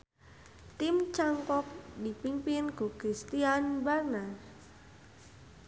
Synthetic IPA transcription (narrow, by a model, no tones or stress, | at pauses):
t̪imt͡ʃaŋkɔk̚dipimpinɡ̥ukɾist̪ianbarnar